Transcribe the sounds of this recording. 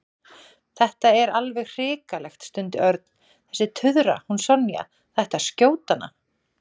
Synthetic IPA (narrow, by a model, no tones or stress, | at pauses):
θɛht̪aɛɾalvɛɣr̥ɪːkalɛxt̪st̪ʏnt̪ɪ̰ʔœɾt̪̚n̥ | θɛsːɪt̪ʰʏðɾa̰hunsɔnja̰ | θɛht̪ascoːwt̪ana̰